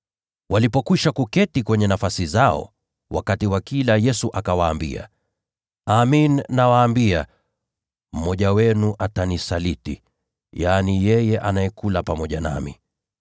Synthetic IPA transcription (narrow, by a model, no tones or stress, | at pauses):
wʔalipɔkiʃakukɛtikwɛɲɛnafasizaɔ̰ | wa̰katiwakilajɛsuʔakawaːmbḭa̰ | aminːawaːmbia | m̩mɔʄawɛnuʔatanisalitḭ | janijɛjɛʔanajɛkulapamɔʄana̰mḭ